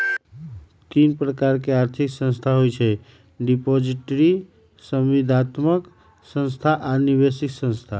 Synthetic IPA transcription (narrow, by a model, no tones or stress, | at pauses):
t̪inpɾəkaɾkeaɾt̪ʰiksə̃nst̪ʰaɦojt͡ʃʰɛ | ɖipɔd͡ʒiʈɾi | səmʋid̪ʱat̪mək | sə̃nst̪ʰaʔanibesiksə̃nst̪ʰa